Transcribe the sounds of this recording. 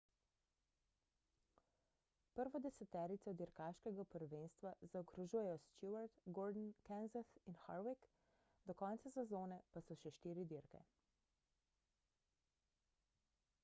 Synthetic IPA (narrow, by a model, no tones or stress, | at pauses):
pəɾʋɔd̪ɛsɛt̪ɛːɾit̪sɔd̪iɾkaʃkɛɡapɔɾɔʋeːnst̪ʋazaɔkɾɔʒuːjɛjɔst̪juaɾt̪ɡɔɾd̪n̩kɛnzasinxa̰ɾwik | d̪ɔkɔnt̪sasɛzoːnɛpasɔʃɛʃt̪iːɾid̪iɾkɛ̰